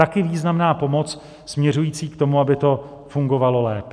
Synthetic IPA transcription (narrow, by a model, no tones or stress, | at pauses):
t̪akɪviːznamnaːpo̞mo̞t͡s | smɲɛr̝ujiːt͡siːkt̪o̞muabɪt̪o̞ | fuŋɡo̞valo̞lɛːp